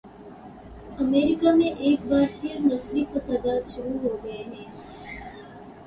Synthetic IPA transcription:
ɐmeːɾikaːmeʔeːk̚baːɾt̪iɐɾnɐslipɐsad̪aːt̪ʃuɾuːɦoːɡɐjeneː

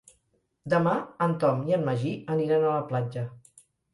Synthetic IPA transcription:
d̪əmaənt̪ɔmiənməʒiəniɾanələplad͡ʒə

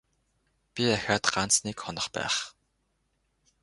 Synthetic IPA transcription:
pʲiæxʲaːt̪ɢan̥t͡snekχɔnə̆χpæ̰ːχ

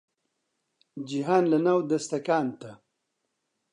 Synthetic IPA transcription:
d͡ʒiɦaːnlɐnawd̪ɐst̪ɐkaːnt̪a

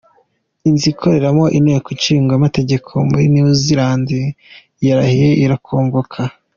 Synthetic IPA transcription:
iːnzikʰo̞ɾe̞ɾamo̞ʔinejkut͡ʃiːŋɡwamate̞ɟe̞kʰo̞muɾiniuziɾaːndi | jaɾahijeʔiɾakʰoːŋɡokʰa

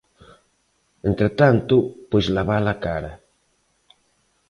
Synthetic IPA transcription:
ent̪ɾet̪ant̪ʊpojzlaβalakaɾɐ

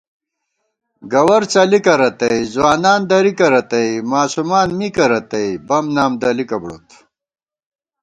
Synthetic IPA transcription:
ɡɐwɐɾt͡sɐlikɐɾɐt̪ɐjzwaːnaːnd̪ɐɾikɐɾɐt̪ɐjmaːsumaːnmikɐɾɐt̪ɐjbɐmnaːmd̪ɐlikɐbɽo̰t̪

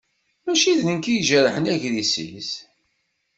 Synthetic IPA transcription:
mæʃiðnənkijʒərəħənæʝðisə̰ls

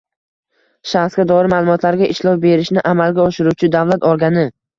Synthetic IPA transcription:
ʃaχsɡʲad̪ɒɪmalˠʊmɒt̪ʰlaɾɡʲaʔɪʃlɒwbe̞ɾɪʃnɪʔamalɡʲaɒʃɪɾuwt͡ʃʰɪd̪avlat̪ɒɾɡʲanɪ

